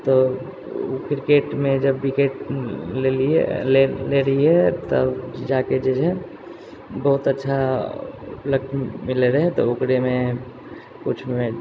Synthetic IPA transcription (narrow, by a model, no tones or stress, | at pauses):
t̪o | kɪɾkeːʈmẽd͡ʒɐbːɪkeʈleli | leɾɐɦiɦɛt̪ə̰d͡ʒaːked͡ʒɛd͡ʒɛ̃ | bəɦʊt̪ɐtːʃʰa | pləkʈmɪleɾɐɦɛɛ̃t̪oʊkɾemẽ | kʊt͡ʃʰe